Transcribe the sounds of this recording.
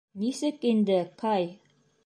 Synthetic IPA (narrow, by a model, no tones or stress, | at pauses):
nisɘkind̪ɘqʰɑj